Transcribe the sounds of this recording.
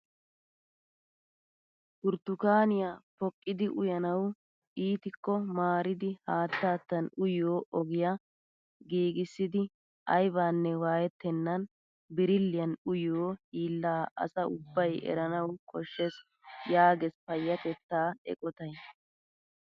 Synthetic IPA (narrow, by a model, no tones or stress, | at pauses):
tʊɾt̪ːʊkaːnɪjapɔkʼːɪd̪ɪʔʊjɐnɐw | ʔiːt̪ɪkːɔmaːɾɪd̪ɪhaːt̪ːaːt̪ːɐnʊjoːʔɔɡɪjɐ | ɡiːɡɪsːɪd̪ɪ | ʔɐjbaːnːɛwaːjɛt̪ːɛnːɐn | bɪɾɪlːɪjɐnʊjoːiːlːaːʔɐ̰sɐʊbːɐjɛ̰ɾɐnɐwkʰɔʃːɛs | jaːɡɛspɐjːɐt̪ɛt̪ːaːɛ̰kʼɔt̪ɐj